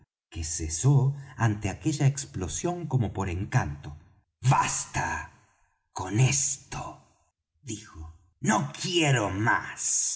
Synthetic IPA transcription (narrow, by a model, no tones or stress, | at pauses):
kesesoant̪eakeʎaeksplosjoŋkomopoɾeŋkant̪o | βast̪a | konest̪o | ðixo | nokjeɾoma̰s